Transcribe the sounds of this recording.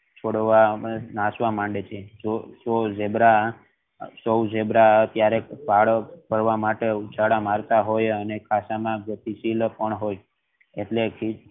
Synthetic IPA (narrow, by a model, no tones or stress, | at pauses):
t͡ʃʰoɽʋanasʋãmãɳɖet͡ʃʰed͡ʒosod͡ʒebɾa | səwd͡ʒebɾat̪jaɾepaɭbʱəɾʋamaʈeut͡ʃaɽamaɾt̪aɦojənekʰasamãɡət̪isilpəɳɦoj | eʈlekʰi